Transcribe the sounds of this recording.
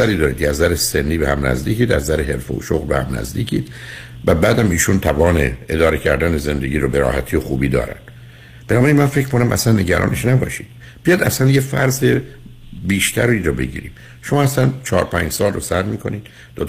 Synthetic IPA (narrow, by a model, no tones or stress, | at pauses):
æɾiːd̪ɒːɾiːd̪ʰæzd̪æɾesenːiːbehæmnæ̰zd̪iːcʰiːd̪æzd̪æɾeɦe̞ɾfo̰o̰ʃoɣlbehæmnæ̰zd̪iːcʰiːd̪̥væbæːd̪æmiːʃunt̪ʰævɒːnḛed̪ɒːɾecʰæɾd̪æneze̞nd̪eɟiːɾobeɾɒ̰ːhæt̪ʰiːoxuːbiːd̪ɒ̰ːɾæ̰nd̪̥ | b̥enɒːbæɾinmænfecʰmkʰonæmʔæ̰slænːe̞ɟæɾɒ̰ːne̞ʃnæbɒ̰ːʃiːd̪̥ | b̥ijɒjd̪æsænjefæɾze | biːʃt̪ʰæɾiːɾobe̞ɟḭːɾḭːm | ʃomɒːæslænt͡ʃʰɒːɾpʰæɲd͡ʒsɒːlrosæɾmiːkʰo̞niːd̪̥ | d̪ot̪